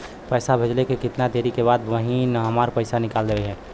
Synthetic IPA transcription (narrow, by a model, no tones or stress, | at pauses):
pɛːsabʱed͡ʒlekekɪt̪nad̪eːɾikeβaːd̪ʋəɦinɦəmaːɾpəɪsanɪkaːld̪eeɦɛ̃ː